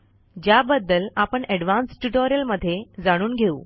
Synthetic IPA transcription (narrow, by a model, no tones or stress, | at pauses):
d͡ʑjabəd̪ːəlapəɳɛɽʋansʈuʈoɾijəlməd̪ʱːjed͡zaɽ̃uːnɡʱeṵː